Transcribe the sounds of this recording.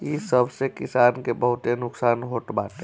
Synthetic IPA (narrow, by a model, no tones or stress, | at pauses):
isəbsekisankebəɦut̪enʊksaːnɦoʈbaʈ̪e